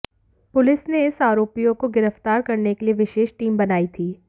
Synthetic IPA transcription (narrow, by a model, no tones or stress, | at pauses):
pʊlɪsneɪsaːɾoːpijõkoɡɪɾəft̪aːɾkɐɾnekelieʋɪʃeːʃʈiːmbɐnaːit̪ʰiː